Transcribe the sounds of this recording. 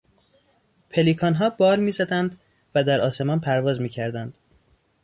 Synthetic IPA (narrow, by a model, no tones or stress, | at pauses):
pʰeliːkʰɒnɦɒːbɒːɾmiːzæd̪ænd̪ | væd̪æɾɒːse̞mɒːnpʰæɾvɒːzmiːcʰæɾd̪ænd̪̥